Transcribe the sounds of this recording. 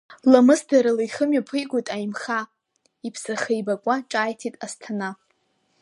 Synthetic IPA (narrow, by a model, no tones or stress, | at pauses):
lamɨsdaɾalajχəmjapʰɨjɡʷʊtʼajimχa | ipʰsaχejbakʷʼaʈ͡ʂʼaːjtʰitʼastʰana